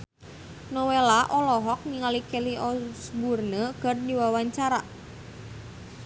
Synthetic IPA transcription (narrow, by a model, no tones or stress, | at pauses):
nɔwelaʔɔlɔɦɔk̚niŋalikeliʔɔsburnəɡ̥a̤rdiwawaɲt͡ʃaɾa